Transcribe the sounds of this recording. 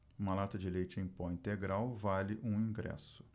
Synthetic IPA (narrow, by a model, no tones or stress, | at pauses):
ũmɐlat̪ɐd͡ʒɪlejt͡ʃɪẽj̃pɔĩnt̪eɡɾawvalɪʔũĩɡɾɛ̰sʊ̥